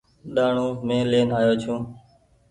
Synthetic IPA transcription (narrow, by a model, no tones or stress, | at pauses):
ɗaːɳũːmẽːleːnaːjoːt͡ʃʰũː